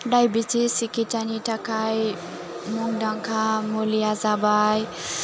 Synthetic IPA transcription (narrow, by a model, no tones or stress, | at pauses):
ɖajbit͡sʰisikitanitakaj | muŋdaŋkʰamulijazabaj